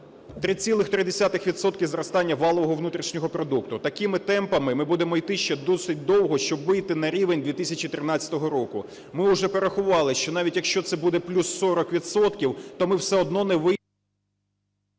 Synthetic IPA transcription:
t̪ɾɪt͡sʲilˠɪxt̪ɾɪd̪esʲat̪ɪxʋʲid̪sɔt̪̚kʲizɾɔst̪ɑnʲːɐʋɑlˠɔʋɔɦɔʋnut̪ɾʲiʃnʲɔɦɔpɾɔd̪ukt̪ʊt̪ɐkɪmɪt̪ɛmpɐmɪmɪbud̪emɔijt̪ɪʃt͡ʃɛd̪ɔsɪt̚ʲd̪ɔwɦɔʃt͡ʃɔbʋɪjt̪ɪnɐɾʲiʋenʲd̪ʲʋʲit̪ɪsʲɐt͡ʃit̪ɾɪnɑt͡sʲɐ̥t̪ɔɦɔɾɔkʊ̰ | mɪʊʒɛpeɾexʊʋɑlˠɪʃt͡ʃɔnɑʋʲitʲjɐkʃt͡ʃɔt̪sɛbud̪ɛplʲusːɔɾɔkʋʲid̪sɔt̪kʲiwt̪ɔmɪwsɛɔd̪nɔnɛʋɪ

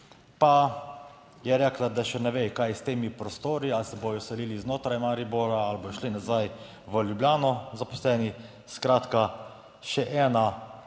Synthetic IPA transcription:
pa | jɛɾɛklad̪aʃɛnɛʋejkajst̪eːmipɾɔst̪oːɾialsɛboːjɔsɛliːliznoːt̪ɾajmaɾiboːlaalbojɔʃlinazaj | ʋəlʲjubljaːnɔzapɔ̥slɛːni | skɾaːt̪ka | ʃɛʔɛːna

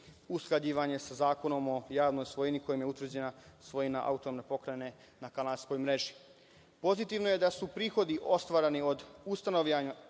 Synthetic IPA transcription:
usklˠad͡ʑiːʋaɲe̞sazaːko̞no̞mo̞jaːʋno̞jsʋo̞jiniko̞jimjeut̪ʋr̩d͡ʑe̞nasʋo̞jinaʔa̰ut̪onomnepo̞kɾane̞ | nakalaskojmɾe̞ʒi | po̞zit̪iʋno̞je̞d̪asupɾiːxo̞d̪iʔo̞st̪ʋaːɾanio̞d̪ust̪anoʋʎaɲa

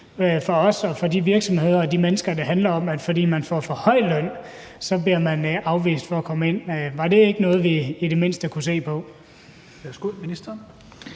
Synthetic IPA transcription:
fɒɒ̽sɒ̽fɒ̽diʋiɐɡ̥sɒ̽mhe̝ð̞̰ˠɐɒd̥imenəsɡ̥ɐd̥ɑ̈ɦænlɐɒ̽mæd̥fɒ̽d̥ḭːmænfɒfɒhɒ̽ɪ̰lœn̰ | sɒ̽bliɐmænʔɑ̈ʊʋḭːsd̥fɒ̽ːkʰɒ̽məe̝n̰ʋɑ̈de̝e̝ɡ̥ənɔ̽ːð̞̩ˠʋiid̥e̝me̝n̰sd̥əkʰuse̝̰ːpʰɒ̽ | ʋæsɡ̥uminisd̥ɐn

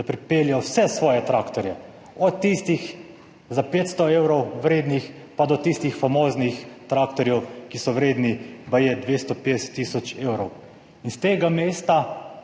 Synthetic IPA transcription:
d̪apɾipeːljɔwsɛsʋɔːjɛt̪ɾaːkt̪ɔɾjɛ | ɔt̪ːist̪ix | zapeːt̪st̪ɔeːwɾɔwʋɾeːd̪nix | pad̪ɔt̪ist̪ixfamoːznixt̪ɾaːkt̪ɔɾjɛwkisɔwɾeːd̪nibajed̪ʋest̪ɔped̪ɛsɛ̥t̪ːiːsɔt͡ʃeːwɾɔw | inst̪eːɡameːst̪a

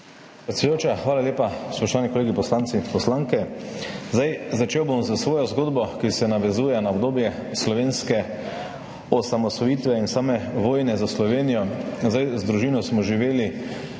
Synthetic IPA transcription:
pɾɛt̪sɛjoːt͡ʃaxʋaːlaleːpaspɔʃt̪ɔʋaːnikoleːɡipɔslant̪sipɔslaːŋkɛzd̪ajzat͡ʃeːwbomzasʋoːjɔzɡoːd̪bɔkisɛnaʋɛzuːjɛnaɔbd̪oːbjɛslɔʋeːnskɛ | ɔsamɔsʋɔjiːt̪ʋɛinsaːmɛʋoːjnɛzaslɔʋeːnijɔzd̪ajzd̪ɾuʒiːnɔsmɔʒiʋeːli

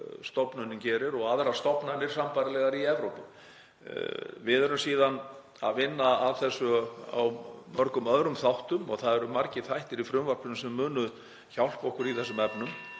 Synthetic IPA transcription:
st̪ɔpnʏnːʏmcɛːɾɪɾɔɣaðɾḁst̪ɔpnanɪɾ̥sampajɾalɛɣaɾiɛvɾowpʏm | vɪðɛɾʏmsiːðan | a̰ðvɪnːaavθɛsːʏa̰wmœɾkʏmœðɾʏmθawht̪ʏmɔɣθaðɛɾʏmaɾcɪθajht̪ɪɾifɾʏmvaɾpʏnsɛmːʏːnʏð | çawl̥pɔhkʏɾiθɛsʏmɛpnʏm

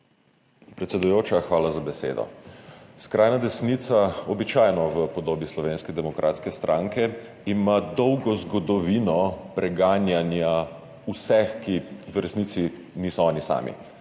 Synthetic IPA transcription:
pɾɛt̪sɛd̪ujoːt͡ʃaxʋaːlazabɛsḛːd̪ɔ̰skɾʔaːjnad̪ɛsnit̪saɔbit͡ʃaːjnɔʋəpɔd̪oːbislɔʋeːnskɛd̪ɛmɔkɾʔa̰t̪skɛst̪ɾʔãŋkɛ | imad̪ɔwɡɔzɡɔd̪ɔʋiːnɔpɾɛɡaːnjanja | usɛxkiʋɾɛsnit̪si | niːsɔɔːnisa̰ːmḭ

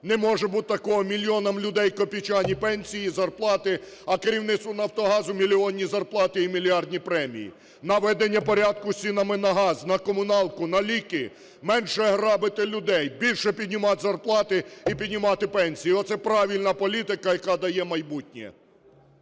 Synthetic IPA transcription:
nɛmɔʒɛbut̪̚t̪ɐkɔɦɔmʲilʲijɔnɐmlʲʊd̪ɛjkɔpʲit͡ʃɑnʲipɛnʲsʲijizɐrplˠɑt̪ɪ | ɐkeɾʲiwnɪt̪st̪ʋʊnɐwt̪ɔɦɑzʊmʲilʲiɔnʲːizɐrplˠɑt̪ɪimʲilʲiɑrd̪ʲnʲipɾɛmʲḭjḭ | nɐʋɛd̪enʲːɐpɔɾʲad̪̚kʊsʲt͡sʲinɐmɪnɐɦɑznɐkɔmʊnɑlˠkʊnɐlʲikɪ | mɛnʃɛɦɾɑbɪt̪ɪlʲʊd̪ɛjbʲilʲʃɛpʲid̪̚ʲnʲʊmɑt̪ʲzɐrplˠɑt̪ɪipʲid̪ʲnʲʊmɑt̪ɪpɛnʲsʲijiɔt̪sɛpɾɑʋʲilʲnɐpɔlʲit̪ɪkɐjɐkɑd̪ɐjɛmɐjbutʲnʲɛ̰

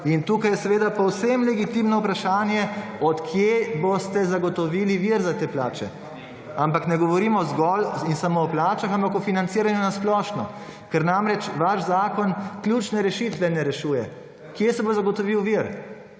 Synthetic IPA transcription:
int̪uːkajɛsɛʋeːd̪apɔwsɛmlɛɡit̪imnɔwpɾaʃaːnjɛɔt̪kʰjebost̪ɛzaɡɔt̪ɔʋiːliʋiɾzat̪eːplaːt͡ʃɛ̰ | ampaknɛɡɔʋɔɾimɔzɡɔlinsamoɔplaːt͡ʃaxampakɔfinant̪siːɾanjunasplɔːʃnɔ | kɛɾnamɾɛt͡ʃʋaʃzaːkɔnkljut͡ʃnɛɾɛʃit̪ʋɛnɛɾɛʃuːjɛ | kjesɛbozaɡɔt̪ɔʋiwʋiɾ

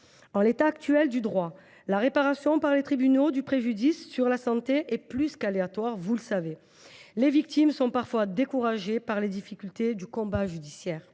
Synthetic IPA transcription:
ɑ̃let̪aːk̚t̪yɛld̪yd̪ʁwa | laʁepaʁasjɔ̃paʁlet̪χibynod̪ypχeʒyd̪isːyʁlasɑ̃t̪eʔɛplyskaleat̪waʁvuləsave | levik̚t̪imsɔ̃paʁfwad̪ekuʁaʒepaʁled̪ifikʲylt̪ed̪ykɔ̃baʒyd̪isjɛːʁ

